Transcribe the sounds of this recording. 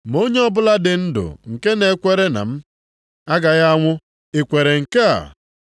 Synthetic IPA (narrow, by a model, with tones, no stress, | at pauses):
m˨o˦ɲe˦ɔ˦bʊ˦la˦dɪ˨n̩˦dʊ̰˨ŋ̩˨ke˦ne˨˦kʷe˨ɾe˦na̰˨m̩˦ | a˦ɡa˨ɣa˦ŋʷʊ˦ | ɪ˨kʷe˨ɾe˨ŋ̩˨ke˦a̰˨